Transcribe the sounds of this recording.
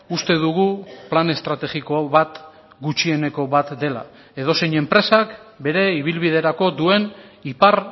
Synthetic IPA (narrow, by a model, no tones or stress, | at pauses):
ust̪e̞ðuɣ̞uplane̞st̪ɾat̪e̞ɣiko̞βat̪ | ɡut͡ʃie̞ne̞ko̞βat̪d̪e̞la̰ | e̞ð̞o̞se̞jɲe̞mpɾe̞sak | be̞ɾe̞iβ̞ilβið̞e̞ɾako̞d̪ue̞nipar